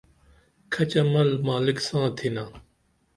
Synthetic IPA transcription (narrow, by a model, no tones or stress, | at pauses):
kʰɐt͡ɕɐmɐlmaːlɪksãːt̪ʰiːnãː